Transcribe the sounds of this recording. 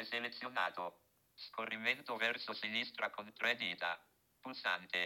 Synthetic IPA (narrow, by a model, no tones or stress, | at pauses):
eselet̪sːjona̰ːt̪o | skorːiment̪ovɛrsosinist̪ɾakont̪ɾad̪iːt̪a̰ | pulsa̰nt̪e